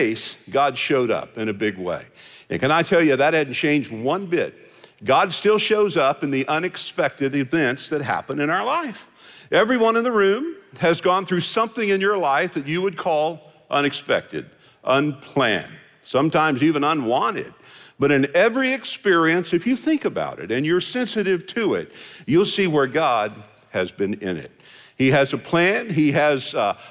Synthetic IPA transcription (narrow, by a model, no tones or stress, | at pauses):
ɪsɡ̥ɑd̥ʃoʊɾʌ̰pɨ̃ñɨbɪɡwḛɪɨ̰̃nkɨ̃ñaɪtʰɛlˠjɨðɨt̚hædⁿn̩t͡ʃʰẽɪ̃nd͡ʒd̚wʌ̃nbɪt̚ | ɡ̥ɑdstɪlˠʃoʊzʌpɨ̃nðiʔʌ̃nɨkspɛk̚tɨɾɨvɛ̃ntsðɨt̚ɦæ̰pə̃ndɨ̃ñaʊə˞laɪf | ʔɛvɹiwʌ̃nə̃nðəɹʉ̃mɨzɡɔ̃nθɹʉsʌ̃mθɪ̃ŋɨ̃njə˞laɪfðɨt͡ʃɨwɨd̚kʰɔlˠ | ʔʌ̰̃ñɨkspɛ̰k̚tɨ̰ɾ | ʔʌ̃npʰl̥æ̰̃n | sʌ̃mtʰãɪ̃mzivɨ̃nʌ̃nwɑ̃nɪ̰d̚b̥ʌɾɨ̃nɛvɹiɨkspɪɹiɨ̃nsɨfjɨθɪ̃ŋkɨba̰ʊɾɨ̰ɾɨ̃njə˞sɛ̃nsɨɾɪv̥tʰɨɪ̰t̚jɨlˠsiwə˞ɡɑd̚ | ɨzbɨ̃nɪ̰̃nɪ̰t̚hiɨzɨpʰl̥æ̃niɨz̥